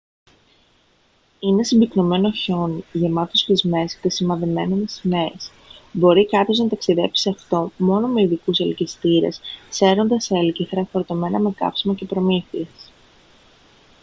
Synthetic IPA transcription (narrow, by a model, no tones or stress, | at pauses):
ine̞simbikno̞me̞no̞ço̞nʝe̞mɐt̪ost̪izme̞st̪esimɐðeme̞nenesines | bo̞ɾikɐpço̞znɐt̪ɐksiðe̞psiɐft̪o̞mo̞nome̞iðikuselcist̪iɾe̞̰sse̞ɾo̞nd̪ɐselciθɾɐfoɾot̪o̞me̞nɐme̞kɐ̰psimɐce̞pɾo̞miθies